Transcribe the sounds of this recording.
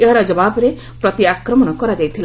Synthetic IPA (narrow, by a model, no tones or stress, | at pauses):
eɦaɾɔd͡ʒɔbabɔɾe | pɾɔt̪iakɾɔmɔnɔkɔɾad͡ʒajt̪ʰila